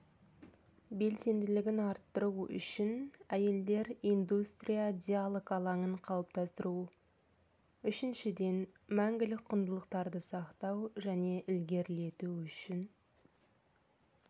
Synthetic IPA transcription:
be̞lse̞nd̪ɪlɪɡʲɪnɑɾt̪ːəɾuʏ̰ʃɪnæje̞ld̪e̞ɾijnd̪ust̪ɾijad̪ʲijalˠokɑlˠɑɴəɴqʰɑlˠəp̚t̪ɑst̪əɾu | ʏʃɪnʃɪd̪e̞nmæŋɡʲɪlɪk̚qʰʊnd̪əlˠəq̚t̪ɑɾd̪əsɑqt̪ɑwʒæne̞ʔɪlɡʲe̞ɾle̞t̪uʏʃɪn

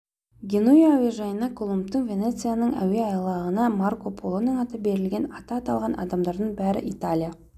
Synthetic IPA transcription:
ɡʲenujæweʒɑjənɑkʰo̞lˠump̚t̪əɴvʲe̞ne̞t̪sɨijanəɴæ̰weɑjlˠɑʁənɑmarko̞pʰo̞lˠonəɴɑt̪əbe̞ɾɪlɡʲe̞nɑt̪ɑːt̪ɑlˠʁɑnɑ̰d̪ɑmd̪ɑɾd̪əɴbæɾɪ̰ʔit̪alʲija

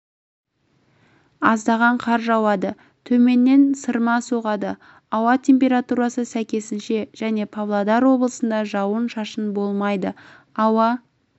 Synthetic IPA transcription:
ɑzd̪ɑʁɑɴqʰɑɾʒɑwɑd̪ə | t̪ʰɵme̞nːe̞nsəɾmɑsoʁɑd̪ə | ɑwɑt̪ʲʰe̞mpʲe̞ɾat̪uɾɑsəsækʲe̞sɪnʃe̞ʒ̥æne̞pʰavlˠad̪ɑɾwo̞blˠəsənd̪ɑʒɑwənʃɑʃənbo̞lˠmɑjd̪ə | ɑwɑ

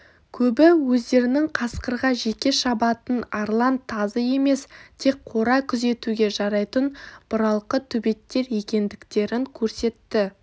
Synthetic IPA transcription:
kʲʰɵbɪwɵzd̪e̞ɾɪnɪŋqʰɑsqəɾʁɑʒe̞kʲe̞ʃɑbɑt̪ənɑɾlˠɑnt̪ʰːɑzəje̞me̞st̪ʰe̞k̚qʰo̞ɾɑkʲʰʏze̞t̪uɡʲe̞ʒɑɾɑjt̪ənb̥ʊɾɑlˠqət̪ʰʏbe̞t̪ːe̞ɾje̞kʲe̞nd̪ɪkt̪e̞ɾɪŋkʲʰɵɾse̞t̪ːɪ

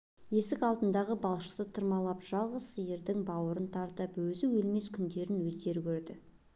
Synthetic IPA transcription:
je̞sɪkɑlˠd̪ənd̪ɑʁəbɑlˠʃə̥t̪ət̪ʰəɾmɑlˠɑpʒ̥ɑlˠʁəsijɪɾd̪ɪŋbɑwəɾənt̪ʰɑɾt̪əpwɵzɪwɵlme̞skʲʰʏnd̪e̞ɾɪnwɵzt̪e̞ɾkʲʰɵɾd̪ɪ

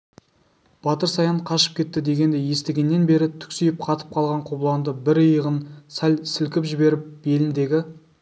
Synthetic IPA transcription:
b̥ɑt̪əɾsɑjɑɴqʰɑʃə̥p̚kʲʰe̞t̪ːɪd̪e̞ɡʲe̞nd̪e̞je̞st̪eɡʲe̞nːe̞nbe̞ɾɪt̪ʰʏ̥ksejɪp̚qʰɑt̪ə̥p̚qʰɑlˠʁɑɴqʰoblˠɑnd̪əbɪɾəjəʁənsælsɪlkʲɪpʒɪbe̞ɾɪp̚be̞lɪnd̪e̞ɡʲɪ

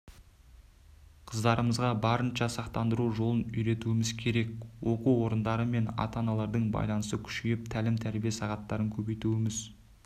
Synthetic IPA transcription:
qʰəzd̪ɑɾəməzʁɑbɑɾənʃɑsɑqt̪ɑnd̪əɾuʒo̞lˠənʏjɾe̞t̪uɪmɪzkʲʰe̞ɾe̞k̚wo̞quwwo̞ɾənd̪ɑɾəme̞nɑ̰t̪ɑnɑlˠɑɾd̪əɴbɑ̰jlˠɑnəsəkʲʰʏ̥ʃjʲɪp̚t̪ʰælɪmt̪ʰæɾbijesɑʁɑt̪ːɑɾəŋkʲʰɵbe̞jt̪uɪmɪz

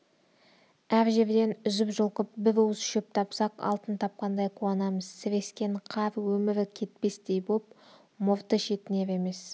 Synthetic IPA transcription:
æɾʒe̞ɾd̪e̞nʏzɪpʒʊlˠqəp̚bɪvuwzʃep̚t̪ʰɑpsɑqɑ̰lˠt̪ənt̪ʰɑp̚qɑnd̪ɑjqʰuɑnɑməz̥sɪɾe̞skʲe̞ɴqʰɑvwɵmɪɾkʲʰe̞t̪̚pe̞sd̪e̞jbop̚ | moɾt̪əʃe̞t̪ɪne̞ɾe̞me̞s

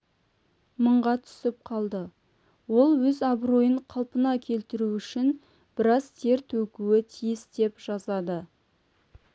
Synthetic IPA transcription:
məɴʁɑt̪ʰʏ̥sɪp̚qʰɑlˠd̪ə | wo̞lˠwɵzɑbro̞jəɴqʰɑlˠpənɑkʲʰe̞lt̪ɪɾuʏʃɪn | b̥ɪɾɑz̥t̪ʰe̞ɾt̪ʰɵkʲuwɪt̪ʰijɪsd̪e̞pʒ̥ɑzɑd̪ə

